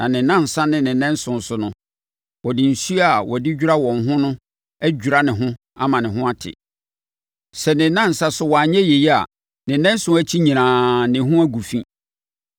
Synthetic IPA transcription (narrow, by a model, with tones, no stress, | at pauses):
nã˨nɪ̃˨nã˦n̩˨sa˦nɪ̃˨nɪ̃˨nɛ̃˦n̩˦sʊ̃˨n̩˨sʊ˨nʊ̃˦ | wɔ˨dɪ˨n̩˨su˦a˨wʔɔ˨dɪ˦d͡ʑᶣu˦ɾa˦wɔ̃˨nɦʊ̃˦nʊ̃˦ | æ˦d͡ʑᶣu˨ɾa˦nɪ̃˨ɦʊ̃˦ | a̰˦mã˨nɪ̃˨ɦʊ̃˦a˦tʰɪ̰˨ | sɛ˨nɪ̃˨nã˦n̩˨sa˦sʊ˨˦wɔ˨a˨ɲɛ̃˦je˨ji˦a̰˨ | nɪ̃˨nɛ̃˦n˦sʊ̃˦æ˦t͡ɕʰi˦ɲĩ˨nãː˨nɪ̃˨ɦʊ̃˦æ˦ɡu˨fĩ˦